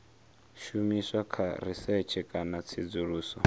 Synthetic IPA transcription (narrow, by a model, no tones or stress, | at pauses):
ʃumiswakʰaɾisɛt͡ʃʰɛkʼanat͡sʰid͡zuɺuːsɔ